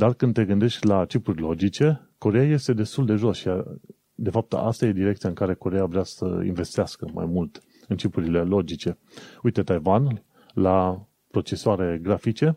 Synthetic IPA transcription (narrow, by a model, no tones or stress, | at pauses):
d̪arkɨnd̪t̪e̞ɡɨnd̪e̞ʃtʲlat͡ʃipurʲlo̞d͡ʒit͡ʃe̞ | ko̞ɾejaje̞st̪e̞d̪e̞st̪uld̪e̞ʒo̞sʃija | d̪e̞fap̚t̪a̰st̪aje̞d̪iɾekt̪sijaɨŋkaɾe̞ko̞ɾejavɾeasə̰ḭnve̞st̪easkəma̰jmult̪ | ɨnt͡ʃipuɾile̞lo̞d͡ʒit͡ʃe̞ | ujt̪e̞t̪ajvan | la | pɾo̞t͡ʃe̞soaɾe̞ɡɾafit͡ʃe̞